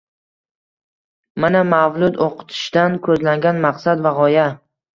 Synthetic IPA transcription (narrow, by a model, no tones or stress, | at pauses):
manamavlʊd̪oqʰɨ̥t̪ʰɪ̥ʃd̪ankʰɵzlaŋɡʲanmaqsad̪vaʁɒja